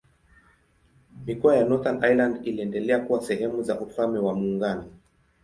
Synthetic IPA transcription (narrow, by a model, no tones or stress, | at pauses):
mikɔajanɔθanʔajlandiliɛndɛlɛakuwasɛhɛmuzaʔufamɛwamuːŋɡanɔ